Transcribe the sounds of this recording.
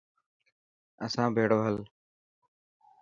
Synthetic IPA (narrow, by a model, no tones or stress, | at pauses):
əsãːbʱeːɽoːɦəl